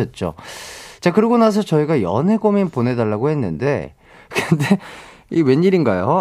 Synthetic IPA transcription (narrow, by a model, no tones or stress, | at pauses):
ʌt̚t͡ɕ͈o̰t͡ɕakɯɾiɡonas̬ʰʌt͡ɕʌiɡajʌ̰nɦe̞ɡominpone̞daɭːaɡoɦe̞nːɯnde̞̰ | kɯnde | iwe̞ɲːiɾinɡajo